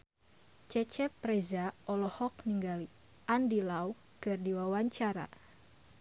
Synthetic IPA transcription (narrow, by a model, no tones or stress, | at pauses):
t͡ʃɛt͡ʃɛpɾɛzaɔlɔhɔk̚niŋɡali | ʔandilaw | kɨrdiwawaɲt͡ʃaɾa̰